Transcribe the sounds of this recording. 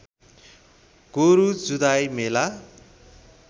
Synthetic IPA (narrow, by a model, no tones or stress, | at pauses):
ɡ̥oɾud͡zud̪ajmela